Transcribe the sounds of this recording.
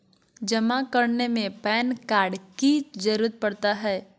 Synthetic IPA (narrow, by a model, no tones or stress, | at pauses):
d͡ʒɐmakɐɾnemẽpɛːnkaːɾɖkid͡ʒɐɾuːɾət̪̚pɐɽt̪aɦɛː